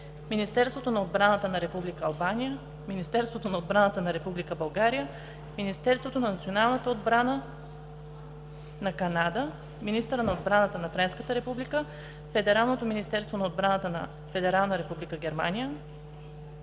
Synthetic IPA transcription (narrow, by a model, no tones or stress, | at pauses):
minist̪ɛɾst̪vot̪onɐod̪̚bɾanət̪ənɐɾɛpublikəːlˠbanijə | minist̪ɛɾst̪vot̪onɐod̪̚bɾanət̪ənɐɾɛpublikəbɐlˠɡaɾijə | minist̪ɛɾst̪vot̪onɐnɐt̪sionalˠnət̪əod̪̚bɾanə | nɐkɐnad̪ə | minist̪əɾənɐod̪bɾanət̪ənɐfɾɛnskət̪əɾɛpublikə | fɛd̪ɛɾalˠnot̪ominist̪ɛɾst̪vonɐod̪̚bɾanət̪ənə̰ | fɛd̪ɛɾalˠnəɾɛpublikəɡʲɛɾma̰nijə